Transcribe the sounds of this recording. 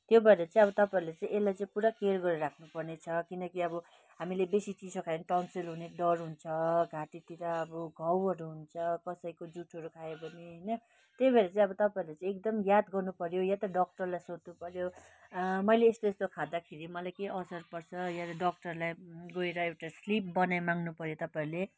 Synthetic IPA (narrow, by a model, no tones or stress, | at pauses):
t̪jobaɾet͡sãĩʌβʌt̪ʌpaiɾlet͡sãĩelːajt͡sãĩpuɾakerɡʌɾɾakʰnupʌrnet͡sʰʌkinʌkiʌbʌ | ɦamilebesit͡sid͡zokʰajenkawnsilɦuneɖʌrɦunt͡sʰʌɡʱaʈit̪iɾaʌbʌɡʱʌwɦʌɾuɦunt͡sʰʌkʌsʌikod͡zuʈʰʌɾukʰaebʱʌneɦʌjnʌ | t̪ebʱeɾet͡sãĩʌbʌt̪ʌpaiɾlet͡sãek̚d̪ʌmjad̪ɡʌrnupʌɾjojat̪ʌɖʌk̚ʈʌrlajsot̪nupʌɾjo | mʌjleːst̪oest̪okʰad̪akʰeɾimʌlajkeʔʌsʌɾpʌrt͡sʰʌjat̪ʌɖʌk̚ʈʌrlajɡoeɾʌewʈaslip̚bʌnajmaŋɡnupʌɾjot̪ʌpaiɾle